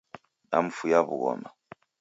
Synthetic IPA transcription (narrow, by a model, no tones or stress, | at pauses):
nam̩fujaβuɣɔ̰ma